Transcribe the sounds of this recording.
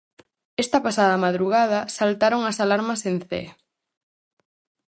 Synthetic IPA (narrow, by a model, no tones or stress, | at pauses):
est̪ɐpasaðɐmaðɾuɣað̞ɐsalt̪aɾoŋasalaɾmɐsen̟θḛ